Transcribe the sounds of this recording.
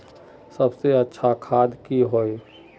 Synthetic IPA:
sɐbseɐtːʃʰakʰaːd̪kiɦoːe

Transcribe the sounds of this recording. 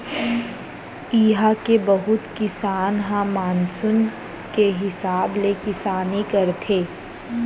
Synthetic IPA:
iːɦakebɐɦʊt̪kɪsaːnɦãmaːnsʊn | keɦɪsaːblekɪsaːnikɐɾt̪ʰeː

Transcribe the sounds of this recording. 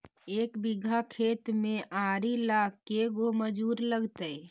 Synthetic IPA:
eːkbɪɡʱakʰeːt̪mẽʔaːɾilakːeɡoməd͡ʒuːɾləɡt̪ə

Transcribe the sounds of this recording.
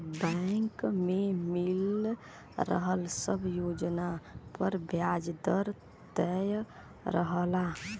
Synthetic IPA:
bəŋkmemil | ɾə̰ɦəlsəbʱjod͡ʒnapəɾbjad͡ʒd̪əɾ | t̪əj | ɾəɦəla

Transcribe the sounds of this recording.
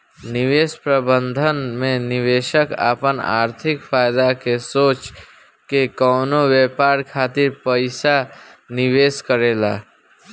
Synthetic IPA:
nɪʋeːspɾəbə̃nd̪ʱənmẽnɪʋeːʃəka̰ːpəna̰ːɾt̪ʰɪkfʰaːjd̪akesoːt͡ʃ | kekɔːnoweːpaːɾkʰaːt̪ɪɾpəɪsanɪʋeːskəɾeːla̰ː

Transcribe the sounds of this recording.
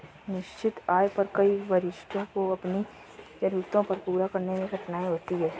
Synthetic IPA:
nɪʃt͡ʃɪt̪aːjpɐɾkɐiʋɐɾɪʃʈʰõkoɐpni | tɐɾut̪õpɐɾpuːɾakɐɾnemẽɡʱɐʈnaːiɦoːt̪iɦɛː

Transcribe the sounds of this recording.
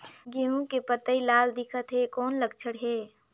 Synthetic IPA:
ɡeũkepət̪əilaːld̪ɪkʰət̪ɦekɔːnləɡt͡ʃʰəɽɦeː

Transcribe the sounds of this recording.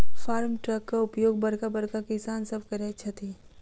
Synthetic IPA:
faːɾmʈɾɐkːaʊpjoːɡ̚bɐɾkabɐɾkakɪsaːnsɐb̚kɐɾeɐtːʃʰat̪ʰiː

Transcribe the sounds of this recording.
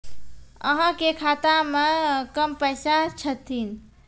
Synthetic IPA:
ə̰ɦãkekʰat̪amekəmpəjsat͡ʃʰət̪ʰin

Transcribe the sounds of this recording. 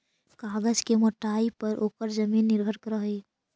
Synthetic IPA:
kaːɡəd͡ʒkemoʈaːipəɾʔoːkəɾd͡ʒəmiːnːɪɾbʱəɾkəɾəɦi

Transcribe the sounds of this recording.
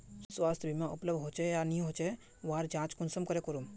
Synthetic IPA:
swaːst̪ʰbʱimãʊpləbd̪ɦoːt͡ʃejanĩɦoːt͡ʃe | ʋaːɾd͡ʒãːt͡ʃkʊnsəmkəɾekʊɾum

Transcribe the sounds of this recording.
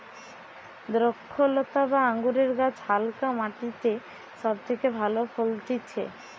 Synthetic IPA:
d̪ɾokʰːolot̪abaaŋɡuɾeɾɡat͡ɕʰhalkamaʈit̪e | ʃɔb̚t̪ʰekebʱalofʰolʈ̪it͡ɕʰḛ

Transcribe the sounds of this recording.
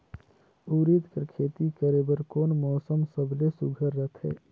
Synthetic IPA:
uːɾit̪kəɾkʰeːt̪ikəɾebəɾkoːnmɔːsəmsəbʱlesuɡʱəɾːət̪ɦɛ̰ː

